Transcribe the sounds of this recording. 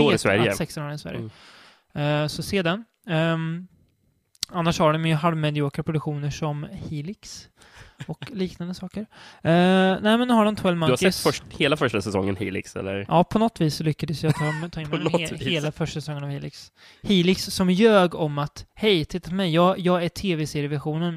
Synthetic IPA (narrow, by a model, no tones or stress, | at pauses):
ɪsvæ̰ɾə̰sɛksɔnoːɾnɪsvæ̰ɾjəə | sɔseːd̪an | anːaʂhaɖɔmjjɵɦaɾmɛd̪ɪoːkapʰɾʊd̪ɵkɧuːnəʂɔmhiːlɪks | ɔkliːknand̪əsɑːkəɾ | nɛːmɛnːʉːhaɖɔmt̪ʰwɛlmaasɛt̪ːfœʂheːlafœʂʈasɛsɔ̰ŋːə̰nhḭːlɪ̰ksɛ̰lːə̰ɾjʔɑːpʰɔnɔt̪ːviːsːɔlʏkːad̪əsjat̪ʰːt̪ʰɑːɪnheːlafœʂʈasɛsɔŋːənavhiːlɪks | hiːlɪksːɔmjøːɡɔmːat̪hɛjt̪ʰɪt̪ːapʰɔmɛjːɑːjɑːɡæʈʰeːvɛseːɾɪjəvæɧuːnən